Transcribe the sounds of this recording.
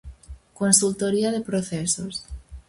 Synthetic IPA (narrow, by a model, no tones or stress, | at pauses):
konsult̪oɾiað̞epɾoθesos